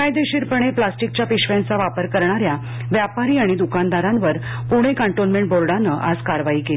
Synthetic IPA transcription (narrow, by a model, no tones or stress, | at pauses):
kajd̪eɕiːɾpəɳ̃eplasʈik̚t͡ɕjapiɕʋjãnt͡saʋapəɾkəɾɳ̃aɾja | ʋjapaɾiːaɽ̃id̪ukand̪aɾãnʋəɾ | puɽ̃ekəɳʈolmeɳʈ̚boɾɖanəʔad͡zkaɾʋaiːkel